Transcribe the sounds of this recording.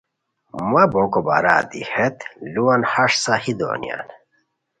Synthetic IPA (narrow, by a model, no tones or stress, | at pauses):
mɐbokoba̰ɾa̰ːd̪ihet̪luwɐnhaʂsahid̪o̰nja̰n